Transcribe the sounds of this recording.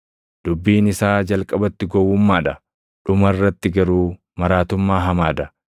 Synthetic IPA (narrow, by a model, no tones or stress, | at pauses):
d̪̥ʊbːiːnɪsaːd͡ʒɐlkʼɐbɐt̪ːɪɡɔwːʊmːaːᶑɐ | ᶑʊmɐrːɐt̪ːɪɡɐɾuː | mɐɾaːt̪ʊmːaːɦɐmaːd̪ɐ